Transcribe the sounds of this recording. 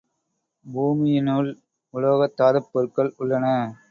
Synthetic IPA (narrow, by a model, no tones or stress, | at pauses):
buːmɪjɪnʊl | ʊloːɣɐt̪ːaːðɐpːɯɾkːɐɭʊɭːɐnɐ